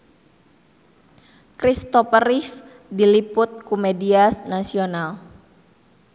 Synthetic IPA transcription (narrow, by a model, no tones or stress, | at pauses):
kɾist̪ɔpəɾif | dilipʊt̪̚kumediasnasional